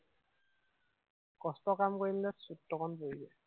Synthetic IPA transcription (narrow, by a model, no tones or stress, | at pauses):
kɔstɔkamkoɹilnɛsutːɔkɔnpoizɛ